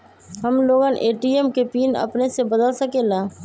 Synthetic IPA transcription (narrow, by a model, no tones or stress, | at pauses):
ɦəmloːɡaːnʔeːʈiɛmkepiːnɐ̰pnesebəd̪əlsəkeːlaː